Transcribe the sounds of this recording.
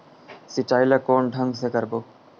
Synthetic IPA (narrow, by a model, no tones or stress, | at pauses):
sɪʈaːilakoːnɖʱə̃ŋɡsekəɾboː